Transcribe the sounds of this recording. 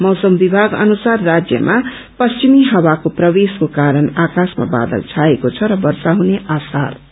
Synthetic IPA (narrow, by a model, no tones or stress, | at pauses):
mʌwsʌmbibʱaɡʌ̰nusarːad͡zjʌ̰mʔa | pʌst͡ʃimiɦʌwakoprʌbeskokaɾʌnakasma̰ba̰d̪ʌ̰lt͡sʰaekot͡sʰʌɾʌbʌɾsaɦuneʔasa̰r